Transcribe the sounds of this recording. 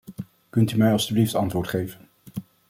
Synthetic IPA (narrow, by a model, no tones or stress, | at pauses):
kɵntymɛjɑlˠstybliftɑntʋʊːɹtχejvən